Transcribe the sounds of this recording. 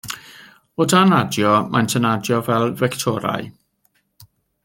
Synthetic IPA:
odanadjɔmʔajntʰənadjɔvɛlˠvɛktʰɔɾa̰j

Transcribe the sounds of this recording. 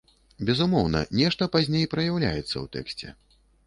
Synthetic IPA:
bʲɛzumɔwnɐ̰nʲɛʂt̪ɐpazʲnʲejpɾɐjawlʲa̰jɛt̪sːɐ̰wt̪ɛ̰ksʲt͡sʲɛ̰

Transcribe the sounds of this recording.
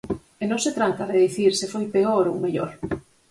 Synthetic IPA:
enõŋset̪ɾant̪ɐðeðiθiɾsefojpeoɾowmeʎo̰ɾ

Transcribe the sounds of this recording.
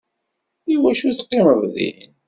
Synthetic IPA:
iwæʃuθqːiməvðḭn

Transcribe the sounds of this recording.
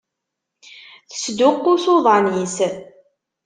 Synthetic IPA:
θə̥sd̪ʊqːʊsoðˤɑnis

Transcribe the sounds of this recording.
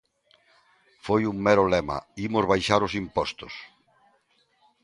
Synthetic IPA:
fojuŋmɛɾolɛmɐ̰imozβajʃaɾosimpɔst̪ʊs

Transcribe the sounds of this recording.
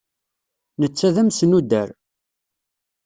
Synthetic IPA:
nət͡sːæðæmsənud̪ːæɾ

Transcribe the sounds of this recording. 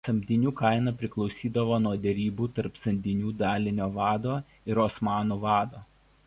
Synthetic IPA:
sɐmʲd̪ʲɪnʲuːkɐɪnɐpʲɾʲɪklˠɒʊsʲiːd̪ɐʋoːnuɔd̪ʲɛɾʲiːbuːt̪ɐɾpsɐnʲd̪ʲɪnʲuːd̪ɑːlʲɪnʲoːʋɑːd̪oː | ɪɾoːsmɑːnuːʋɑːd̪oː

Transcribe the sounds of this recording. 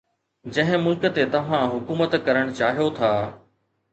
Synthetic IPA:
d͡ʑɐ̃ɦɪ̃mʊlkə̆t̪et̪ɐʋ̤ãɦʊkuːmət̪kɐɾəɽ̃ʊt͡ɕaːɦijot̪ʰaː

